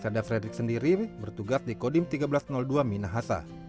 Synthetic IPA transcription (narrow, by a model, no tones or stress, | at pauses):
sadafɾedɾɪk̚səndiɾibərt̪uɡasdikodimt̪iɡabəlasnɔlduaminaɦasa̰